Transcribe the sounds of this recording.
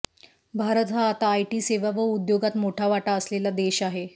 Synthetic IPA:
bʱaɾət̪ɦaːt̪aːjʈiːseʋaʋəud̪joɡat̪moʈʰaʋaʈaəslelad̪eɕaɦe

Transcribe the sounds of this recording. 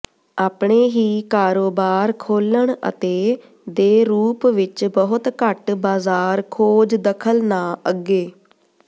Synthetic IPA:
aːpɳeːɦiːkaːɾoːbaːɾkʰoːləɳə̰t̪eː | d̪eːɾuːpʋɪt͡ʃbəɦʊt̪kəʈbaːzaːɾkʰoːd͡ʒd̪əkʰəlnaːəɡːeː

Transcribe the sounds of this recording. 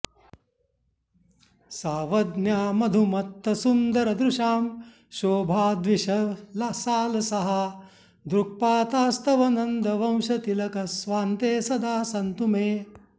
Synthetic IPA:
saːʋɐd̪njaːmɐd̪ʱumɐt̪ːɐsund̪ɐɾɐd̪ɾuʃaːm | ʃoːbʱaːd̪ʋiʃɐlɐsaːlɐsɐɦɐ | d̪ɾuk̚paːt̪aːst̪ɐʋɐnɐnd̪ɐʋɐ̃w̃ʃɐt̪ilɐkɐsʋaːnt̪eːsɐd̪ʱaːsɐnt̪umeː

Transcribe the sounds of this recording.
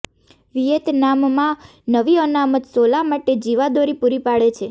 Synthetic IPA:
ʋijet̪namːã | nəʋiənamət̪solamaʈed͡ʒiʋad̪oɾipuɾipaɭet͡ʃʰe

